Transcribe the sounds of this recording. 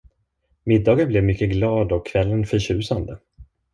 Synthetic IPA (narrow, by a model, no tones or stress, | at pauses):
mɪd̪ːɑːɡənblɛvmʏkːəɡlɑːd̪ɔkʰːvɛlːənfœɾɕʉ̟ːsand̪ə